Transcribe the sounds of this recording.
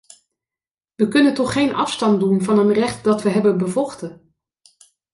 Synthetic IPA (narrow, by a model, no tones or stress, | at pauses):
ʋəkɵnəntɔχːejnɑ̰fstɑndunvɑnɦənrɛχtdɑtʋəɦɛbənbəvɔχtə